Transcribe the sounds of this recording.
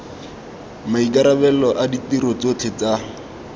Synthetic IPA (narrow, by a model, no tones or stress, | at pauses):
maikaɾabɛlɔʔaditiɾɔt͡sot͡ɬʰet͡sa